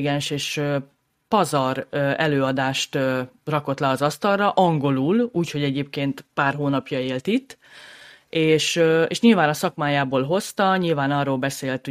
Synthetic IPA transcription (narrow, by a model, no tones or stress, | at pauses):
ɡɛnʃeːʃø | pɒzɒrɛløːɒd̪aːʃt̪ːrɒko̞t̪lɛɒzɒst̪ɒrrɒʔɒŋɡo̞luːluːcho̞ɟɛɟeːp̚keːnt̪paːrɦoːnɒpjɒeːlt̪it̪ː | eːʃøḛːʃɲilvaːnɒsɒkmaːjaːboːlɦo̞st̪ɒɲilvaːnɒroːlbɛseːlt̪h